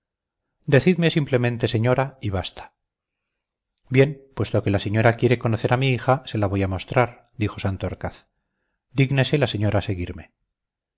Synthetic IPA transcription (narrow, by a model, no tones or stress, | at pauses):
d̪e̞θiðmesimple̞mẽnt̪e̞se̞ɲo̞ɾaiβast̪ḁ | bje̞npwe̞st̪o̞ke̞laseɲo̞ɾakje̞ɾe̞ko̞no̞θe̞ɾamiixase̞laβo̞jamo̞st̪ɾaɾ | d̪ixo̞sant̪oɾkaθ | d̪iɣnese̞laseɲo̞ɾaːse̞ɣiɾme̞